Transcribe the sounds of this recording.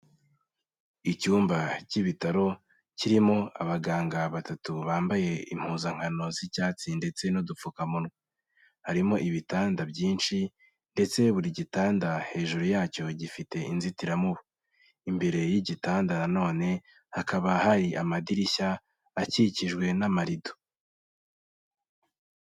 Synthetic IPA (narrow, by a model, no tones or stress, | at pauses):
icuːmbaciβitaɾo̞ | ciɾimo̞aβaɡaːŋɡaβatatuβaːmbaje̞im̥huːzaŋ̥hano̞zicaːt͡sinde̞t͡se̞nodup͡fukamunɡe | haɾimo̞ʔiβitaːndabjiːnʃi | nde̞t͡se̞βuɾiɟitaːndahe̞ːʒuɾujaːco̞ɟifite̞inzitiɾamuβo | imbe̞ɾe̞jiɟitaːndanano̞ːne̞ | hakaβahaɾiʔamadiɾiçaː | ciciʒɡwe̞namaɾido̥